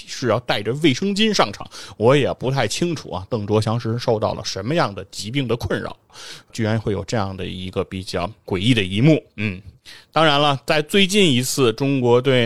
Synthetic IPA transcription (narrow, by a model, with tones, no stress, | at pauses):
ʂɻ̩˥˧jɑ˥˧ʊt̪a˥˩ɪʈ͡ʂə˩we˥˩ɪʂɤ˥ŋt͡ɕi˥nʂɑ˥˩ŋʈ͡ʂʰɑ̰˨˥˦ŋwɔ˧˥jɛ˨˩pu˧˥t̪ʰa˥˩ɪt͡ɕʰi˥ŋʈ͡ʂʰṵ˨˩ɐ̰˦t̪ɤ˥˩ŋʈ͡ʂ̪wɔ˥ɕjɑ˧˥ŋʂɻ̩˧˥ʂo˥˧ʊt̪ɑ˥˩ʊlʔə̰˩ʂə˧˥nmə˧jɑ˥˩ŋd̪ə˩t͡ɕi˧˥p̬i˥˩ŋd̪ə˩kʰwə˥˩nɻɑ̰˨˩ʊt͡ɕy˥˧ɻa˧˥nxwe˥˩ɪjo˨˩ʊʈ͡ʂɤ˥˧jɑ̰˥˩ŋd̪ə̰˩i˧˥ɡə˧pi˨˩t͡ɕjɑ˥˩ʊkwe˨˩ɪi˥˩d̪ə˩i˧˥mu˥˩n̩˥˩t̪ɑ˥ŋɻa˧˥nlə˧t͡sa˥˧ɪt͡swe˥˧ɪt͡ɕi˥˩ni˧˥t͡sʰɹ̩˥˩ʈ͡ʂʊ˥ŋkwɔ˧˥t̪we˥˩ɪ